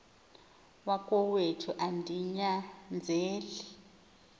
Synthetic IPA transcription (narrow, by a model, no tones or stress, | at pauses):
wakʼɔwetʰuʔandʱiɲand͡zʱeːli